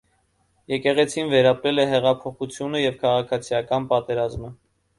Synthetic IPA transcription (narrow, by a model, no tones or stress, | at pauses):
jɛkɛʁɛt͡sʰinvɛɾɑpɾɛlɛɦɛʁɑpʰɔχut͡sʰjunəjɛvkʰɑʁɑkʰɑt͡sʰijɑkɑnpɑt̪ɛɾɑzmə